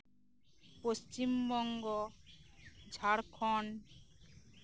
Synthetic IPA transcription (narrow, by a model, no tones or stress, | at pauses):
post͡ʃimbɔŋɡɔ | d͡ʒʱaɽkʰɔn